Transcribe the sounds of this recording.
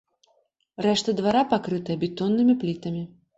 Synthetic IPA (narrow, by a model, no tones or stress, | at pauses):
rɛʂt̪ɐd̪vaɾapakɾɨt̪ɐjɐbʲɛt̪ɔnːɨmʲiplʲit̪ɐmʲi